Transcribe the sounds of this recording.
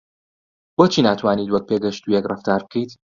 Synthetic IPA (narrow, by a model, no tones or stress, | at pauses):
boːt͡ʃʰiːnaːt̪ʰwaːniːt̪wɐk̚peːɡɐʃt̪ujɛkrˤɨft̪aːɾb̚kʰejt̪